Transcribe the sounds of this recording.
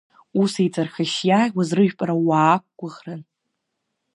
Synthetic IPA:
usejt͡sʼarχaʃjawazrɨʒᶣpʼaɾawaːk̚ʷɡʷʊʁran

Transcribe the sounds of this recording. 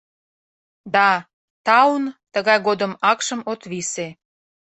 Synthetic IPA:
d̪ɑ | t̪ɑunt̪əɣɑjɣod̪ə̆mɑkʃə̆mot̪βise

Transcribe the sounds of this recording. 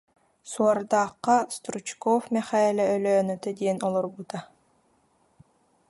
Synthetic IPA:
suɔɾd̪aːqːɑst̪ɾut͡ʃkɔfmʲɛχaɛlʲɛœløːnœt̪ɛd̪iɛnɔlˠɔɾbut̪a

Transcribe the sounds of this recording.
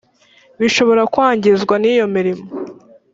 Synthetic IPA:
βiʃo̞βo̞ɾakwaːɲɟezɡwaniːjo̞miɾimo

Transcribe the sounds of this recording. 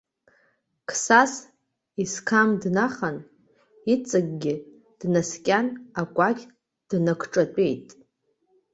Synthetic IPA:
kʰsas | iskʰamdnaχan | it͡sʼɨɡɡʲɪ | d̥naskʲʼanakʷʼakʲʰʼ | d̥nakʷʰʈ͡ʂʼat͡pʼe̞jtʼ

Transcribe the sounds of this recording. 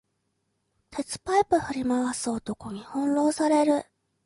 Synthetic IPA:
t̪ʰe̞t͡sɨ̥paipɯ̟ɸɯ̟ɾʲimaβasɨɨot̪o̞ko̞ɲ̟ihõ̞nɾo̞ːsaɾe̞ɾɯ̟

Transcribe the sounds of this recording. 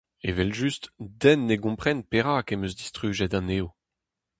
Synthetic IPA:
evɛlʒystdɛnːeɡɔ̃pχɛnpeʁakemøzd̪istχyːʒɛdɑ̃neːo

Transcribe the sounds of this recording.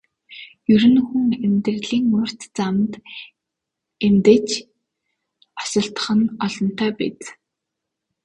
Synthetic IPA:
jɵɾɘ̆nxuŋemt̪ɘ̆rɮiːŋːʊr̥ʲt̪t͡samt̪ | emt̪et͡ɕ | ɔ̥sɞ̆ɬt̪ə̥̆χə̆nɔɮɞ̆n̥t̪ʰæːpḛt͡s̪

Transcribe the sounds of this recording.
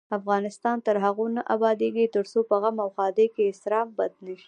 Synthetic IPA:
afɣɑnɪst̪ɑnt̪aɾɦaɣonaʔabɑd̪eɡit̪əɾsopəɣamawxɑd̪ekeɪsɾɑmbad̪nəʃi̥

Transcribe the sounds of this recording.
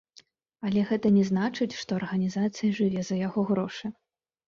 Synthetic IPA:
ɐlʲɛɣɛt̪ɐnʲɛznat͡ʂɨt͡sʲʂt̪ɔɐrɣɐnʲizat̪sɨjɐʐɨvʲɛzɐjaɣɔɣɾɔʂɨ

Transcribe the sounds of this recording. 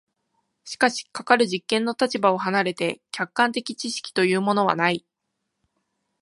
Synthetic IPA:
ɕi̥kaɕi̥kakaɾɯ̟ʑikːẽ̞nːo̞t̪at͡ɕibao̞ɦanaɾe̞t̪e̞kʲakːãnt̪e̞kʲit͡ɕiɕi̥kʲi̥t̪o̞jɯ̟ːmo̞no̞βa̰nai

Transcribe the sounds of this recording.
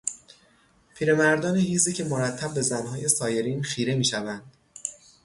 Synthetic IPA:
pʰiːɾe̞mæɾd̪ɒːnehiːziːcʰe̞moɾæt̪ʰːæb̚ːe̞zænɦɒːje̞sɒːje̞ɾiːnxiːɾe̞miːʃævænd̪̥

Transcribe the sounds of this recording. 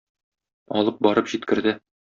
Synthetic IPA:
ɒlˠɤp̚bɒɾɤpʑit̪̚kɘ̆ɾd̪ɘ

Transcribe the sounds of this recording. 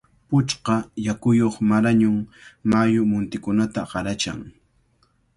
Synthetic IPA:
pʊt͡ʃqɑjakʊjoχmaɾaɲʊŋmajʊmʊnt̪ɪkʊnat̪aɢɑɾat͡ʃa̰ŋ

